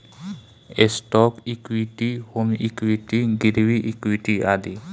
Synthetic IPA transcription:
estɔkikwiʈihomikwiʈiɡiɾwiʔikwiʈiad̪i

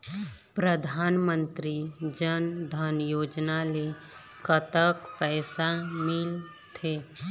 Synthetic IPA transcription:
pɾəd̪ʱaːnmə̃nt̪ɾid͡ʒənd̪ʱənjoːd͡ʒnale | kət̪əkpɛːsamɪl | t̪ʰeː

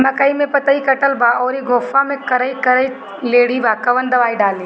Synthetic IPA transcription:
mɐkaimẽpɐt̪aikɐʈəlbaɔːɾiɡʱoːfamẽkɐɾəikɐɾəi | leːɽibakɐʋənd̪ɐʋaːiɖaːleː

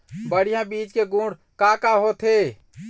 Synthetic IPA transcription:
bəɽ̤ijãbid͡ʒkeɡũɽ | kakaɦot̪ʰe

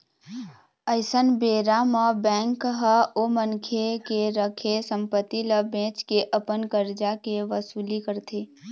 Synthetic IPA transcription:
əɪsənbeːɾaməbɛ̃ːŋkɦəomənkʰekeɾəkʰesə̃mpət̪ːiləbẽːt͡ʃkeʔəpənɡəɾd͡ʒakeʋəsuːlikəɾt̪ʰeː

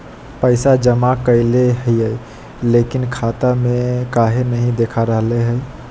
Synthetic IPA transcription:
pəɪsad͡ʒəmakəɪleɦijəj | lekinkʰat̪amekaɦenəɦĩd̪ekʰaɾəɦleɦəj

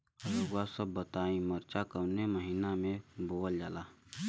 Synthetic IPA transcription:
əɾəɡasəbːət̪aːĩməɾt͡ʃakəwneməɦiːnamẽboːəld͡ʒaːlaː

